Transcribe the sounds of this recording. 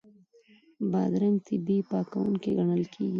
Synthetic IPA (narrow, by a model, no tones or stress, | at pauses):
bɑd̪ɾaŋt̪ʰɪbipɑkawuŋkiɡɐɳəlkʰḛːɡi